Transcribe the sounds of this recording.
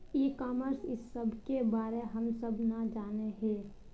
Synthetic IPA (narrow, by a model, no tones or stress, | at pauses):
iːkaːməɾsɪsːəbʱkebaːɾeɦəmsəbnad͡ʒaːneɦɛː